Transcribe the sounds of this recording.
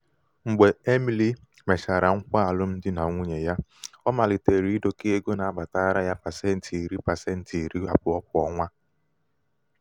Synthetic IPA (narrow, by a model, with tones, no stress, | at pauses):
ŋ͡m̩˨ɡ͡be˨e˦mi˨li˦ | me˨ʃa˨ɾa˨ŋ̩˦kʷa˦a˨lʊ˦m̩˦dɪ˦na˨ŋʷu˦ɲe˨ja˦ | ɔ˦ma˨lɪ˨te˨ɾi˨˦i˦do˨ke˦e˦ɡo˦na˨a˦˨ba˨ta˦ɾa˦ja˦pa˨se˦n̩˨tʰi˨i˨ɾi˦pa˨se˦n̩˨ti˨i˨ɾi˦a˨pʊ˦ɔ˦k̚ʷʊ˦ɔ˦ŋʷa˦